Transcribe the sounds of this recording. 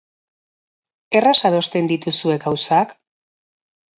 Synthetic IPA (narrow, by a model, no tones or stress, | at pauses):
e̞rasaðo̞st̪e̞nd̪it̪usue̞ɡawsak